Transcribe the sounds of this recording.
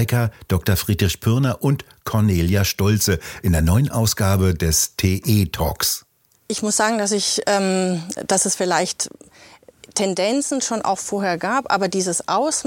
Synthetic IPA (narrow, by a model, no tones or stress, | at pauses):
ɪkɐd̥ɔk̚tɐfʁ̥iːdʁɪçpʰʏɐnɐʔʊnt | kʰɔɐneːljaʃtɔlt͡səʔɪndeːɐnɔʏənʔaʊsɡ̥aːbədɛstʰeːʔeːtʰɔ̰ːks | ʔɪçmʊsz̥aːɡŋ̩das̬ɪçʔɛːmd̥asɛsfɪlaɪçt | tʰːɛndɛnt͡sn̩ʃoːnʔa̰ʊxfoːɐɦeːɐɡaːpʔa̰ːbɐdiːzəsʔaʊs